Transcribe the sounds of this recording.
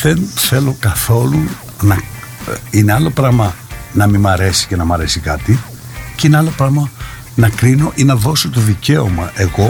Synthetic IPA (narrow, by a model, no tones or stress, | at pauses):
ðe̞nθe̞lo̞kɐθo̞lu | nɐ | ine̞ɐlo̞pɾɐmɐnɐmimɐɾe̞si̥ce̞nɐmɐɾe̞sikɐt̪i | ceineɐlo̞pɾɐɣmɐ | nɐkɾino̞ʔinɐðo̞so̞t̪o̞ðice̞o̞̰mɐʔe̞ɣo̞